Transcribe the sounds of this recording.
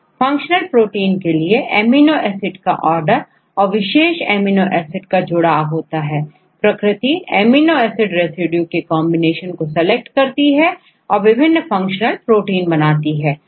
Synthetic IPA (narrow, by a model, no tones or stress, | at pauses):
fɐ̃ŋkʃənəlpɾoːʈiːnkelieʔeːminːoʔɛːsɪʈka̰ʔɔːɾɖəɾ | ɔːɾʋɪʃeːʃeːminoʔɛːsɪʈkad͡ʒʊɽaɦoːt̪aɦɛː | pɾɐkɾɪt̪iːḛːminːoɛːsɪɖɾeːsɪɖjukekɔːmbɪneːʃənkosɛlek̚ʈkɐɾt̪iɦɛ | ɔːɾʋɪbʱɪnːfɐ̃ŋkʃənəlpɾoːʈiːnbɐnaːt̪iɦɛː